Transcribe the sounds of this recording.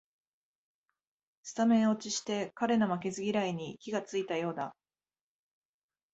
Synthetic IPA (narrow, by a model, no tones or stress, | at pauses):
sɨ̥t̪amẽ̞o̞t͡ɕiɕi̥t̪e̞kaɾe̞no̞make̞zɨɡʲiɾaiɲ̟ikʲiɡat͡sɨit̪ajo̞ːd̪a